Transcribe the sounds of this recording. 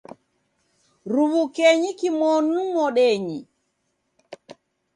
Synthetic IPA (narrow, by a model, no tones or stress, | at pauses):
ɾuβukɛɲikimɔnumɔɗɛɲi